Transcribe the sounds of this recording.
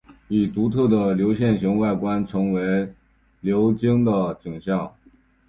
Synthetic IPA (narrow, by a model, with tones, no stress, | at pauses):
i˨˩t̪u˧˥t̪ʰɤ˥˩d̪ə˩ljo˧˥ʊɕjɛ˥˩nɕi˧˥ŋwa˥˩ɪkwa˥nʈ͡ʂʰɤ˧˥ŋwe˧˥ɪ | ljo˧˥ʊt͡ɕi˥ŋd̪ə˨ʈ͡ʂi˨˩ŋɕjɑ˥˩ʊ